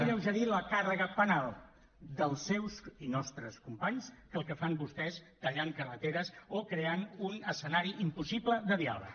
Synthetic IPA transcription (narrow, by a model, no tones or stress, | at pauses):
ʎəwʒəɾiləkarəɣəpənalˠ | d̪əlˠsːɛwsinɔst̪ɾəskumpaɲskəlˠkəfambust̪ɛst̪əʎaŋkərət̪eɾəsokɾeanunəsənaɾiʔimpusipləðəðia̰βə̰